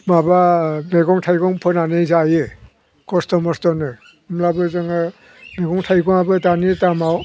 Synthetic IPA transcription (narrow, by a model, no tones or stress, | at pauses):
mabameɡɔŋtʰajɡɔŋpʰɯnanɯzajɯ | kɔstɔmɔstɔnɯ | ɯmlabɯzɯŋɯ | meɡɔŋtʰajɡɔŋabɯtanitamaw